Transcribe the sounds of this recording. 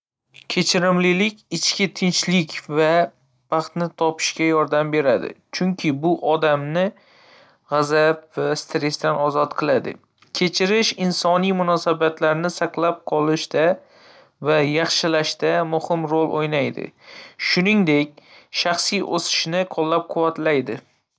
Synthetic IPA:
kʲʰe̞t͡ʃʰɪɾɪmlɪlɪkʲɪt͡ʃkʲɪt̪ʰɪnt͡ʃlɪkʲva | bɑχt̪nɪt̪ʰɒpʰɪ̥ʃkʲajɒɾd̪ambe̞ɾad̪ɪ̰t͡ʃʰʊŋkʲʰɪbʊʔɒd̪amnɪ | ʁɑzap̚vast̪ɾe̞st̪anɒzɒt̪qʰɨlˠad̪ɪ̰ | kʲʰe̞t͡ʃʰɪɾɪʃɪnsɒnijmʊnɒsabat̪laɾnɪsɑqlˠap̚qʰɒlˠɪʃt̪a | vajɑχʃɪlaʃt̪amʊhɪmɾolˠʔojnajd̪ɪ̰ʃʊnɪŋd̪e̞kʲʃɑχsijʔosɪ̥ʃnɪqʰɒlˠːap̚qʰʊvːat̪lajd̪ɪ

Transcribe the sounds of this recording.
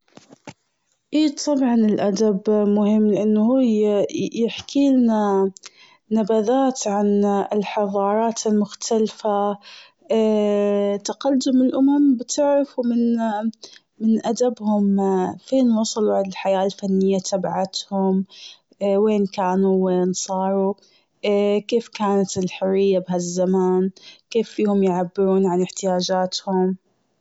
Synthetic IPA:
ʔiːt̪ˤɑbʕɑnɪlʔad̪abmʊhɪmːlɪʔanːhuːjjɪħkʰiːlna | nabaðaːt̪ʕanɪlħɑðˤɑːɾˤɑːt̪ɪlmʊxt̪ʰalfa | t̪aqad̪ʊmːɪlʔʊmambɪt̪ɪʕɾafumɪn | mɪnʔad̪abhʊmfeːnwɑːsˤɑlʕalħajaːlfanːɪjːat̪ʰabaʕat̪hʊm | weːnkaːnuweːnsˤɑːɾˤu | keːfkaːnat̪ɪlħʊrːɪjːabɪɦazːamaːnkeːfːiːhʊmjʕabːɪɾuːnʕanɪħt̪ɪjaːd͡ʒaːt̪hʊm

